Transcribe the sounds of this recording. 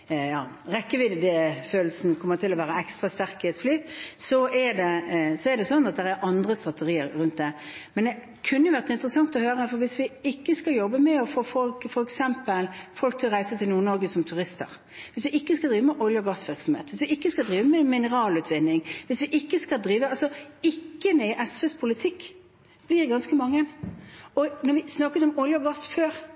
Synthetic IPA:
jɑː | ɾɛkːəʋɪd̪d̪eføːl̩sn̩kʰɔmːət̪ʰɪlɔʋæːɾəɛkst̪ɾɑst̪æɾkɪɛt̪flyːsɔʔɛd̪ɛsɔɛɾd̪ɛsɔnːɑt̪̚d̪ɛɾæɾʔɑnd̪ʁəst̪ɾɑt̪əʁiːəɾɾʉnt̪̚d̪ɛmɛnd̪ɛ | kʰʉnːəjʋæʁt̪ɪnt̪əɾəsɑŋt̪ɔhøːɾəfɔɾʋɪsʋɪɪkːəskɑljɔbːəmɛɔfoːfɔkfɔɾɛksɛmpəlfɔlkt̪ʰɪlɔʁæɪsət̪ʰɪlnuːnɔɾɡəsɔmt̪ʰʉɾɪst̪ə̰ɾ | ʋɪsʋɪʔɪkːəskɑld̪ɾiːʋəmɛʔɔljəɔɡɑsʋɪɾksɔmhḛːt̪ʋɪsʋɪɪkːəskɑld̪ɾiːʋəmɛmɪnəʁɑːlʉːt̪ʰʋɪnːɪŋʋɪsʋɪʔɪkːəskɑd̪ɾiːʋəɑlsɔɪkːənəɪʔɛsʋɛspʰʊlɪt̪ʰɪkː | b̥lɪɾɡɑnskəmɑŋːənɔnɔɾʋɪsnɑkːʉt̪ɔmɔljəɔɡɑsføːɾ

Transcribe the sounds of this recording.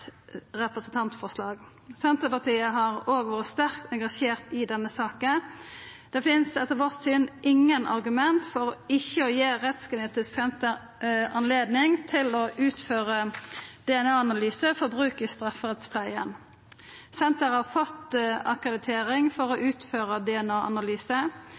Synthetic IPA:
ʁɛpʁəsn̩t̪ʰɑnt̪fɔʁslɑːɡ | sɛnt̪əpɑʁt̪iːəɦɑʁoːɡʋoːɾəst̪æʁkt̪ɛŋɡɑʃeːʁt̪ɪd̪ɛnːəsɑːkənd̪̥ɛfɪnsɛt̪ːəʁʋɔʁt̪syːnʔɪŋːənʔɑ̰ʁɡʉmɛnt̪fɔɾɔɪçːəɔjeːʁɛt̪skəneːt̪ɪsksɛnt̪əɾ | ɑnleːd̪nɪŋt̪ʰɪlɔʔʉːt̪føːʁəd̪̥ɛɛnɑːɑnɑlyːsəfɔɾbʁʉːkəst̪ʁɑfəʁɛt̪spʰlæɪən | sɛnt̪əɾhɑʁfɔt̪ɑkʁəd̪ɪt̪ʰeːʁɪŋfɔʁɔʔʉːt̪føːʁəd̪ɛɛnɑːʔɑ̰nɑlyːsə

